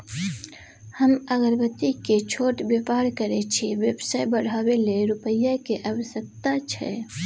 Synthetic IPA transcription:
həməɡəɾbət̪iket͡ʃʰoːʈbepaːɽkəɾet͡ʃʰiʋjəbsaːjbəɽ̤aweleɾʊpəjakeʔəʋəsək̚t̪at͡ʃʰɛ̰

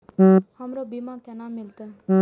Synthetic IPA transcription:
ɦhɐmɾobimãkɛnamɪlt̪eɦ

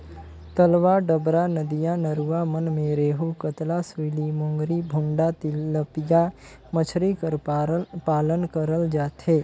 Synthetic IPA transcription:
t̪əlʋaɖəbɾanəd̪ijãnəɾuʋamənmẽɾeːɦukət̪lasʋilimõŋɡɾibʱʊ̃ɳɖat̪ɪəpɪja | mət͡ʃʰɾikəpaːlənkəɾəld͡ʒaːt̪ɦeː

